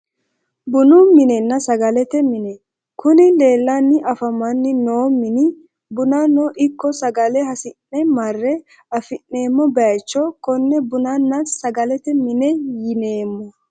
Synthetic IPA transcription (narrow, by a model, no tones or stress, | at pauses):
bʊnʊmɪnɛnːɐsɐɡɐlɛt̪ɛmɪnɛ | kʊnɪle̞ːlːɐnːɪʔɐfɐmːɐnːɪnoːmɪnɪ | bʊnanɔʔɪkːɔsɐɡɐlɛhɐsɪnːɛmɐrːɛ | ɐfɪnːe̞ːmːɔbɛɐjt͡ʃːɔkɔnːɛbʊnanːɐsɐɡɐlɛt̪ɛmɪnɛjɪneːmːɔ